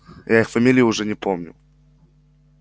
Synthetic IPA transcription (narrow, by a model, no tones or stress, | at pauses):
jʔaixfɐmʲilʲɪjʊʊʐɛnʲɪpʰomnʲʊ̰